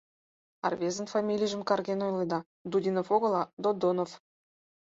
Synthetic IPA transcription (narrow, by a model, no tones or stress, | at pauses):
ɑ̰rvʲezə̆nfɑmʲilʲijʒə̆mkɑrɣenojled̪ɑ | d̪udʲinofoɣɤ̆lˠɑd̪od̪onof